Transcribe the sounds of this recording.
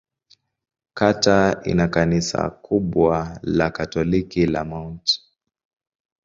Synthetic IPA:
kataḭnakanisa̰kʰuɓwalakatɔlikila̰maunti̥

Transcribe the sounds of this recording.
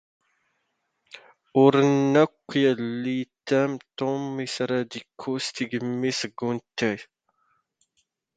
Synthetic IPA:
ʊɾənːækʷːjəlːit̪ːæmt̪omisɾæd̪ikʰːust̪iɡəmːisəɡːunt̪ːæj

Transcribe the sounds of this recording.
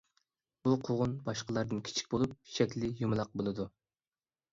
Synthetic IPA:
b̥uqʰoʁʊnbɑʃqəlˠɑɾd̪ɨnkʲʰi̥t͡ʃʰi̥kʲbolˠup̚ʃɛkʲlɪjumlˠɑq̚bolˠɨd̪u

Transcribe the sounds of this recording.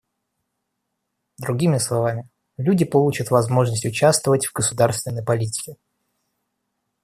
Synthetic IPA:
d̪ɾʊɡʲimʲɪslˠɐvamʲɪ | lʲudʲɪpɐlˠut͡ɕət̪vɐzmo̞ʐnəsʲtʲʊt͡ɕast̪vəvətʲv̥ɡəsʊd̪aɾrst̪ʲvʲɪnːəjpɐlʲitʲɪ̥kʲɪ

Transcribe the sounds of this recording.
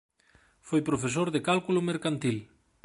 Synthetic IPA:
fojpɾofes̬oɾðekalkulʊmeɾkant̪il

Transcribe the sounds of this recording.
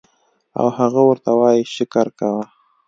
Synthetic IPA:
a̰whaɣawəɾt̪awɑjiʃɪkaɾkawa

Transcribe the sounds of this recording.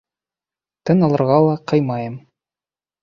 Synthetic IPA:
t̪ɤnɑlˠɤ̆ɾʁɑlˠɑqɤjmɑjɤm

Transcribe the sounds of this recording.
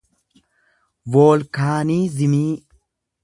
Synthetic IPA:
woːlkaːniːzɪmiː

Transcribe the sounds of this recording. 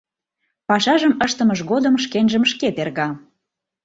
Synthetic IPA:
pɑʃɑʒəməʃt̪ə̆məʃɣod̪əmʃkenʒəmʃket̪erɣɑ

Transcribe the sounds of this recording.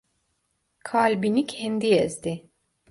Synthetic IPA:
kʰalʲbinicʰɛnd̪ijɛzd̪ɪ

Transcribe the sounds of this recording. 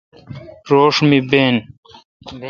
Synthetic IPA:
ɾoːʂmibeːn

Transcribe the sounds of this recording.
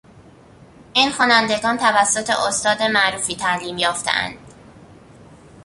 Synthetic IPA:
ʔiːnxɒːnænd̪e̞ɡɒːnt̪ʰævæsːot̪ʰe̞̰ʔost̪ɒːd̪e̞mæʔɾuːfiːt̪ʰæʔliːmjɒːft̪ʰḛʔæ̰nd̪̥

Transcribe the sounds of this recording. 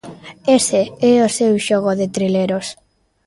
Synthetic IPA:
eseɛosewʃoɣoðet̪ɾileɾos

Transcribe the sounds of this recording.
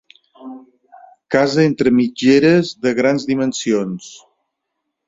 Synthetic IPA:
kazəent̪ɾəmid͡ʒeɾəzðəɣɾanzðimənsions

